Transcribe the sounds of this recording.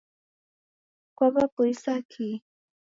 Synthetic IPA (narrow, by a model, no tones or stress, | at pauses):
kwabapʊjsakʰi